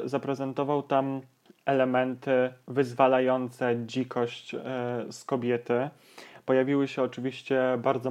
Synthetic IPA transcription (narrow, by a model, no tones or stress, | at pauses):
zapɾɛzɛnt̪ɔvawt̪am | ɛlɛmɛnt̪ɘvɘzvalajɔnt̪sɛd͡ʑikʰɔɕt͡ɕskɔbʲjɛt̪ɘ | pɔjavʲiwɘɕɛɔt͡ʂɘvʲiɕt͡ɕɛbaɾd̪zɔ